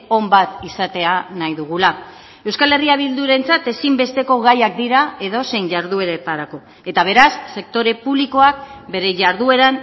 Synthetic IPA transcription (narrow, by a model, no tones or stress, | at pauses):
o̞mbat̪isat̪e̞anajðuɣ̞ula | e̞wskale̞riaβ̞ild̪uɾe̞nt͡sat̪e̞simbe̞st̪e̞ko̞ɣajak̚d̪iɾae̞ð̞o̞se̞jɲʝaɾðue̞ɾet̪aɾako̞ | et̪aβ̞e̞ɾasːe̞k̚t̪o̞ɾe̞puβliko̞akbe̞ɾe̞ʝaɾðue̞ɾan